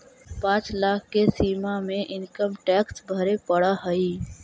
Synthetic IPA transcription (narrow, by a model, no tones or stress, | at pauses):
pãːt͡ʃlaːkʰkesiːmamẽʔɪnkəmʈɛːksbʱəɾepəɽaɦəiː